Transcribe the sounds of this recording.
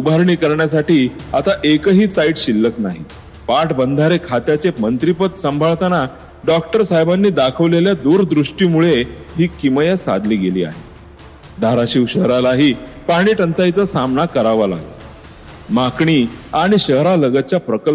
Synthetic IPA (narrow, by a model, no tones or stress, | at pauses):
ubʱaɾɳiːkəɾɳjas̬aʈiːat̪aʔekəɦiːsaiʈɕilːəknaɦi | paʈbənd̪ʱaɾekʰat̪jat͡semənt̪ɾipət̪səmbʱaɭt̪əna | ɖɔk̚ʈəɾsaɦjbanːiːd̪akʰəʋleljad̪uɾd̪ɾuʂʈiːmuɭeɦiːkiməjasa̰d̪ʱliːɡelḭːa̰ɦe | d̪ʱaɾaɕiʋɕəɦɾalaɦiː | paɽ̃iːʈənt͡sajt͡səsamnakəɾaʋala̰ɡə | makɳiːaɽ̃iɕəɦɾaləɡət͡ɕjapɾəkəl